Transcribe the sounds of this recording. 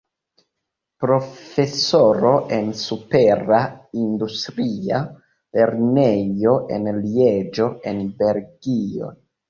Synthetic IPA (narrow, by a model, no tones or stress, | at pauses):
pɾo̞fesoɾo̞ʔensupeɾaind̪ust̪ɾia | le̞ɾnejo̞ʔḛnlied͡ʒo̞enbe̞ɾɡio̰